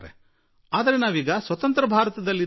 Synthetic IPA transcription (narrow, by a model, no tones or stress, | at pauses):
ɾḛ | aːd̪ɐɾenaːʋiːɡɐsʋɐt̪ɐnt̪ɾɐbʱaːɾɐt̪ɐd̪ɐlːi